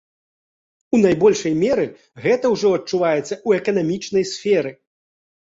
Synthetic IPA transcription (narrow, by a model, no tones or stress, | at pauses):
unajbɔlʲʂɐjmʲɛɾɨ | ɣɛt̪ɐwʐɔɐtt͡ʂːuvajɛt̪sːɐuɛkɐnamʲit͡ʂn̪ɐjsʲfʲɛɾɨ